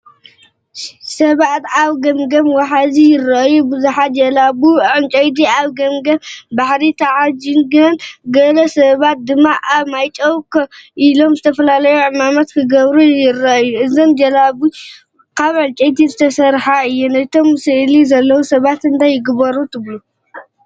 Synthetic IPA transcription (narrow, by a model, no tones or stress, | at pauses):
sɐβat̪aβɡɐmɡɐmwaħazijɪrːɐʔɐjːubɨzuħat̪̚d͡ʒɐlaβuʕɨnt͡ʃʼɐjd̪̬iʔaβɡɐmɡɐmbaħɾit̪ʰaʕad͡ʒinɡɨɐnɡɐlɐsɐβat̪̚d̪ɨmːaʔaβmajt͡ʃʼɐwkʰɐʔilo̞mzɨt̪ʰɐfɐlalɐjuʕɨmamɐt̪kʰɨɡɐβɾujɪrːɐʔjːuɨzomd͡ʒɐlaβu | kʰaβʕɨnt͡ʃʼɐjt̪ʰizɨt̪ʰɐsɐɾħaɨjːunajt̪ʰo̞msɨʔlizɐlːɐwusɐβat̪ɨnt̪ʰajːɪɡɨbɐɾut̪ʰɨβlu